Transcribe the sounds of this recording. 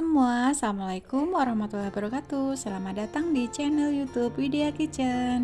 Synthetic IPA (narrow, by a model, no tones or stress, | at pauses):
əmuasalamalaikumwaɾahmat̪ulahbəɾkat̪usəlamadat̪aŋdit͡ʃɛnɛljut̪upfideakit͡ʃən